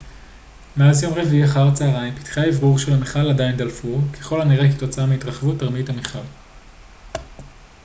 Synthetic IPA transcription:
meazjo̞mʁeviiaχaʁt͡saːʁaimpi̥tχaevʁuʁʃe̞lameχaladaindalfukʰe̞χo̞laniʁekito̞t͡saameitʁaχevutaʁmithameχal

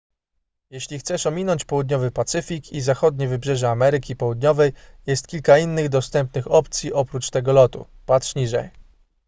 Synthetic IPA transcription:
jɛɕlʲixt̪sɛʂɔmʲinɔɲt͡ɕpɔwud̪ɲɔvɘpat̪sɘfʲikizaxɔd̪̚ɲɛvɘbʐɛʐɛamɛɾɘkʲipɔwud̪ɲɔvɛj | jɛst̪̚kʲilkainːɘɣd̪ɔst̪ɛmpnɘxɔpt̪sʲjiʔɔpɾut͡ʂt̪ɛɡɔlɔt̪ṵ | pat̪ʂɲiʐɛ̰j

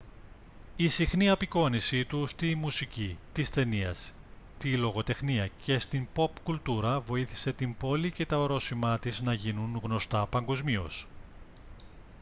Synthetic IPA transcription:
isixniɐpiko̞nisit̪ust̪imusicit̪ist̪e̞niɐ̰s | t̪ilo̞ɣo̞t̪e̞xniɐce̞st̪impo̞pkult̪uɾɐvo̞iθi̥se̞t̪imbo̞lice̞t̪ɐoɾo̞simɐt̪iznɐʝinunɣno̞st̪ɐpɐŋɡo̞zmio̞̰s

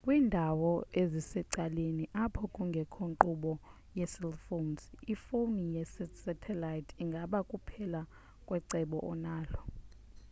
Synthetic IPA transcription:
kʼwiːndʱawɔezisɛǀaleniʔapʰɔkʼuŋɡʱɛkʰoŋǃuɓɔ | jɛsɛlfomsifonijɛsɛsɛtʰɛlajtʰiŋɡʱaɓakʼupʰɛla | kʼwɛǀɛɓɔ̰ʔɔnaːlɔ

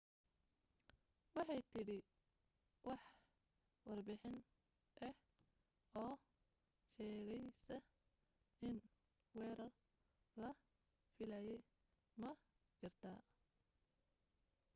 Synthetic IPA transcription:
wɑħɑjt̪ʰɪɽɪ | wɑħ | wɑrbɪħɪn | ʔɛh | ɔː | ʃɛːɣɛjsɐ | ɪn | wɛːɾɐr | lɐ | fɪlɐːjɛj | mɐ | kɐrt̪ʰaː

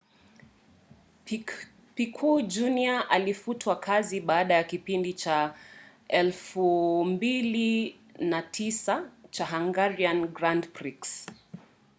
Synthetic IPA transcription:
pikʰud͡ʒuniaʔalifutʰwakʰaziɓaːɗajakipindit͡ʃa | ɛlfumbili | natʰisat͡ʃaɦaŋɡaɾianɡɾandpɾiks

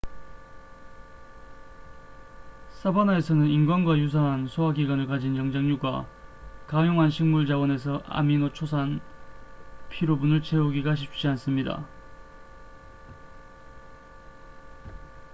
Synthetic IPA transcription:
s͈ʰabanae̞sʰʌnɯninɡwanɡwajus̬ʰaɦansʰoaɡiɡanɯɭkad͡ʑinjʌŋd͡ʑeŋɲuɡwakajoŋɦanɕʰiŋmuɭd͡ʑawʌne̞s̬ʰʌʔa̰minot͡ɕʰosʰan | pʰiɾobunɯɭt͡ɕʰe̞uɡiɡaɕ̬ʰip̚t͡ɕ͈ians͈ɯmɲida̰

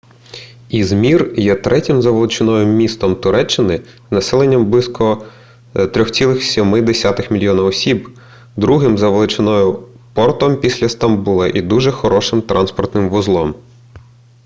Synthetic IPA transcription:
izmʲirjɛt̪ɾɛtʲɪmzɐʋelˠɪt͡ʃɪnɔjʊmmʲist̪ɔmt̪ʊɾɛt͡ʃːɪnɪ | znɐsɛlˠenʲːɐmblˠiskʰɔ | t̪ɾʲɔxsʲilˠɪxsʲimɪd̪esʲat̪ɪxmʲilʲjɔnɐɔsʲib | d̪ɾuɦɪmzɐʋelˠɪt͡ʃɪnɔjʊ | pɔrt̪ɔmpʲisʲlʲɐst̪ɐmbulˠɐʔid̪uʒɛxɔɾɔʃɪmt̪ɾʔɑnspɔrt̪nɪmʋʊzlˠɔm

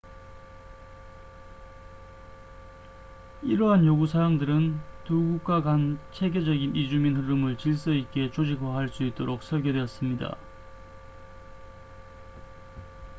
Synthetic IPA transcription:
iɾʌɦanjoɡusʰaaŋdɯɾɯntuɡuk̚k͈aɡant͡ɕʰe̞ɡed͡ʑʌɡinid͡ʑuminɦɯɾɯmɯɭt͡ɕiɭs͈ʌit̚k͈e̞t͡ɕod͡ʑik̚waɦaɭs͈uit̚t͈oɾok̚s͈ʰʌɭɡe̞dwe̞ʌs͈ɯmɲida̰

